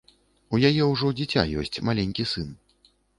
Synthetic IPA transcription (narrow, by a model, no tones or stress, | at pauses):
ujajɛwʐɔd͡zʲit͡sʲa̰jɔ̰sʲt͡sʲmalʲenʲkʲisɨn